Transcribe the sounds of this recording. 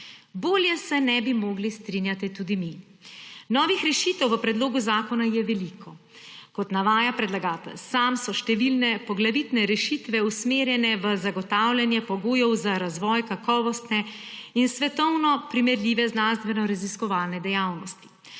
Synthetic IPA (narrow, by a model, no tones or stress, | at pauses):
boːljɛsɛnɛbimoːɡlist̪ɾinjat̪ɛt̪ud̪imi | nɔːʋixɾɛʃiːt̪ɛwʋəpɾɛd̪loːɡuzaːkɔnajɛʋɛlikʰɔ | kɔt̪naʋaːjapɾɛd̪laɡaːt̪ɛ̰lsaːmsɔʃt̪ɛʋilnɛpɔɡlaʋit̪nɛɾɛʃit̪ʋɛusmeːɾjɛnɛʋəzaɡɔt̪awlʲjanjɛpɔɡoːjɔwzaɾazʋɔːjkakɔːʋɔst̪nɛinsʋɛt̪ɔwnɔpɾimɛɾlʲiːʋɛznanst̪ʋɛnɔɾaziskɔʋaːlnɛd̪ɛjawnɔst̪i̥